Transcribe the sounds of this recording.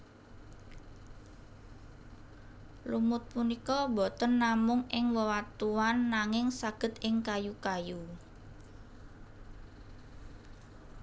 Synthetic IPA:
lumʊt̪̚punikɔbɔt̪ənːamʊŋɪŋwɔwat̪uanːaŋɪŋsaɡ̥ə̤t̪̚ɪŋkajukaju

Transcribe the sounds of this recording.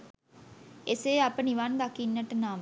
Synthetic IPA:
eseːapəniʋanɡakinːəʈənaːm

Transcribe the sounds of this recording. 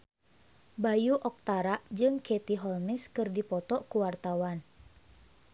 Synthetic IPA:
bajuʔɔk̚t̪aɾaʔd͡ʒɨŋkɛt̪iɦɔlmɛskɨrdipɔt̪ɔʔkuwart̪awan

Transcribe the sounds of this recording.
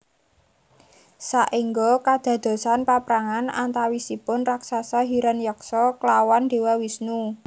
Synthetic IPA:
saʔiŋɡɔkad̪̥ä̤d̪̥o̤sanpapɾaŋana̰nt̪awisipʊnraksasaɦiɾanjɔksɔklawand̪̥e̤wawisnu

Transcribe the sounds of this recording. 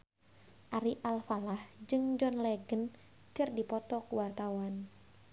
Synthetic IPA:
ʔaɾiʔalfalahd͡ʒɨŋd͡ʒɔnlɛɡən | t͡ʃɨrdipɔt̪ɔkuwart̪awan

